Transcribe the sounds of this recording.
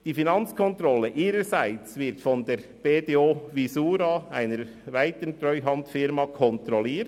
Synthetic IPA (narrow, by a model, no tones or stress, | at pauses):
d̥iːfinɑnt͡skʰɔnt̪ɾɔləʔiːɾəsaɪt͡svɪɾtfɔndeːɾb̥eːdeːoːʋisuːɾɑaɪnəɾ | vaɪtəntɾœʏɦɑntfɪɾmɑkʰɔnt̪ɾɔliːɾt